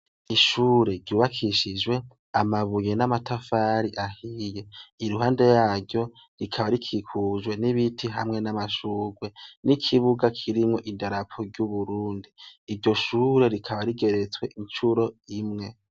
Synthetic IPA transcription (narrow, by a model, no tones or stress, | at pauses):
iʃuːɾe̞ɾɟuːβakʰiʃid͡ʒwe̞ | amaβuje̞namatafaɾiʔahijeiɾuɦaːnde̞jaːɾɟo̞ | ɾikʰaβaɾikʰikʰuʒwe̞niβitʰiɦa̰mŋe̞namaʃuːɡwe̞nikʰiβuɡakʰiɾimŋo̞ʔidaɾapʰoɾɟuβuɾuːndiːɾɟo̞ʃuːɾe̞ɾikʰaβaɾiɡe̞ɾet͡swe̞ʔint͡ʃuɾo̞imŋe̞